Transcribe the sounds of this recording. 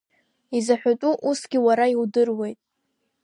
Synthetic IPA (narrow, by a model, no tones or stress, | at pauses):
izaħʷᶣatʼuʔusɡʲiwaɾaiwdɨrwe̞jtʼ